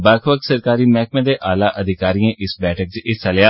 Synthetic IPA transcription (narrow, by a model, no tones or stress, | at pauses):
bəkʰʋək̪̚səɾkaːɾiːmɛːkmẽd̪eʔaːlaːʔəd̪ʱɪkaːɾiẽːʔɪsbɛːʈʰək̚t͡ʃɪsaljaː